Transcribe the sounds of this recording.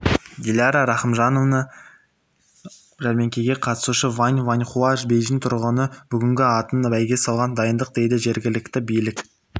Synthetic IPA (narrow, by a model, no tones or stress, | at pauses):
d̪ʲelʲɑɾaɾɑχəmʒɑnovnə | ʒæɾmʲe̞ŋkʲeɡʲe̞qʰɑt̪ə̥suʃəvanʲvanʲχuɑʒbejʒint̪ʰʊɾʁənəb̥ʏɡʲɪŋɡʲɪɑt̪ənbæjɡʲe̞sɑlˠʁɑnd̪ɑjənd̪əq̚d̪e̞jd̪ɪʒe̞ɾɡʲɪlɪkt̪ɪbijlɪk